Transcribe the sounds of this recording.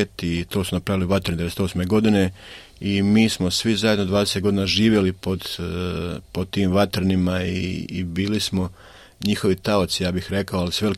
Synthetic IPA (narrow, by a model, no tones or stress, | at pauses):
et̪it̪o̞ːsunapɾaʋiliuʋat̪ɾnid̪eeset̪o̞smeɡo̞d̪ine̞ | imiːsmo̞sʋizajeno̞d̪ʋaːd̪eset̪ɡo̞d̪inaʒiːʋje̞lipo̞d̪ | pot̪iːmʋat̪ɾnimaḭːbiːlismo̞ | ɲixo̞ʋit̪aot̪sijaːbixɾe̞kaoalisuʋe̞l